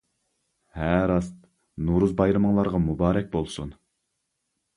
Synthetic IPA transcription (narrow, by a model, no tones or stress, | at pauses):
hæɾɑst̪ | nuɾuzbɑjɾɨməŋlˠɑɾʁɑmubɑːɾɛk̚ʲbolˠsun